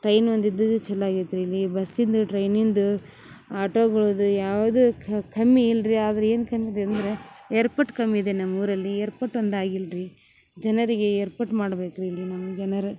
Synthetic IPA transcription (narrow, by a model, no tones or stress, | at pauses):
ʈɾɐjnond̪id̪ːɐd̪ut͡ʃɛlːaːɡid̪ɾuilːibɐsːind̪uʈɾɐjnind̪u | aːʈoːɡɐɭud̪ujaːʋɐd̪ukʰɐmːiːlɾiaːd̪ɐɾee̞ːnkɐmːid̪eɐnd̪ɐɾe̞eːɾpɐʈkɐmːiid̪enɐmːuːɾɐlːieːɾpɐʈond̪aːɡilɾi | d͡ʒɛnɐɾiɡe̞eːɾpɐʈmaːɽbe̞ːkɾuilːinɐmːɐd͡ʒɛnɐɾu